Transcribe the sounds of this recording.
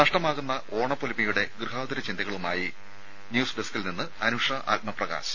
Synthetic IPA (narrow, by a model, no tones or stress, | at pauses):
nɐʂʈɐmaːɣunːɐʔo̞ːɳɐpːolimɐjuɽe̞ɡrɨɦaːd̪ɐɾɐt͡ɕind̪ɐɣɐɭumaːji | njuːsɖeskilninːɨɐnuʂɐʔa̰ːt̚mɐprɐɣa̰ːɕɐ̥